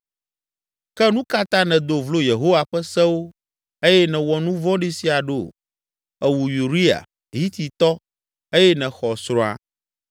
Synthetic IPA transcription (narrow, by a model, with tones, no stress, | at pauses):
kɛ˦nũ˦ka˦t̪ã˦nɛ̃˨d̪o˨vlo˦je˨ɦo˦wa˨ɸɛ˦sɛ˦wo˦ | e˦jɛ˦nɛ̃˨wɔ˨nũ˦vɔ̃˦ɖi˦si˦a˨ɖo˦˨ | ɛ˨wu˨ju˨ɾi˦a̰˨ | ɦi˦t̪ʰi˨t̪ɔ˦ | e˦jɛ˦nɛ̃˨xɔ˨sɾɔ̃˦a̰˨